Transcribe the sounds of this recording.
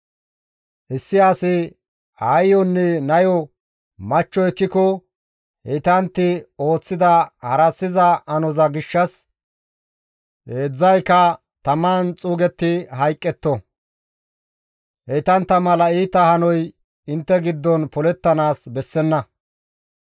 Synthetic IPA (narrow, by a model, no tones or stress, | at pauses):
ʔɪsːɪaːsɪ | ɐjːɔnːɛnɐjɔ | mɐt͡ʃːɔɛkːɪkɔ | ɛt̪ɐnt̪ːɪo̞ːt͡sːɪd̪ɐhɐɾɐsːɪzɐʔɐnɔzɐɡɪʃːɐs | eːd͡zːɐjkɐ | t̪ɐmaːnt͡sʼuːɡɛt̪ːɪɦɐjkʼːɛt̪ːɔ | hɛjt̪ɐnt̪ːɐmɐlɐiːt̪ɐhɐnɔj | ɪnt̪ːɛɡɪd̪ːɔnpɔlɛt̪ːɐnaːsbɛsːɛnːɐ